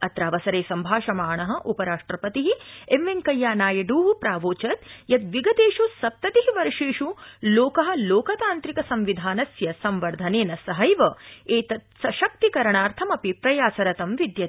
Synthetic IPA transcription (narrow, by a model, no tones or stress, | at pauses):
ɐt̪ɾaːʋɐsɐɾeːsɐmbʱaːʃɐmaːɳɐɦɐ̆ʔupɐɾaːʂʈɾɐpɐt̪iɦiemʋeŋkɐjːaːnaːjɐɖuːʋupɾaːʋoːt͡ʃɐt̪jɐt̪ʋiɡɐt̪eːʃusɐp̚t̪ɐt̪iɦiʋɐɾʂeːʂuloːkɐɦɐ̆loːkɐt̪aːnt̪ɾikɐsɐmʋid̪ʱaːnɐsjɐsɐmʋɐɾd̪ʱɐneːnɐsɐɦɐjʋɐeːt̪ɐt̪sɐʃɐk̚t̪ikɐɾɐɳaːɾt̪ʰɐmɐpipɾɐjaːsɐɾɐt̪ɐmʋid̪jɐ